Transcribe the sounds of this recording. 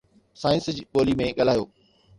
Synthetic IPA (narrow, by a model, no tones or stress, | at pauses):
saːɪ̃nsd͡ʑɓoːlimẽɠɐlaːjoː